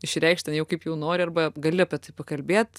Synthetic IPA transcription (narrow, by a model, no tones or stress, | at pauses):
ɪʃʲɾʲɛɪkʃt̪ʲɛnjɛʊkɐɪpjɛʊnoːɾʲɪɐrbɐɡɐlʲɪɐpʲɛt̪ɐɪpɐkɐlʲbʲeːt̪